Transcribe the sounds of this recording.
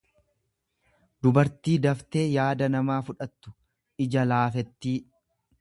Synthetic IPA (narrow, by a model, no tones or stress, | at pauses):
d̪ʊbɐɾt̪iːd̪ɐft̪e̞ːjaːd̪ɐnɐmaːfʊᶑɐt̪ːʊ̥ | ʔɪd͡ʒɐlaːfɛt̪ːiː